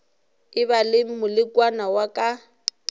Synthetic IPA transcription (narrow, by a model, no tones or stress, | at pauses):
ɪβalɪmʊlɪkʼwanawakʼa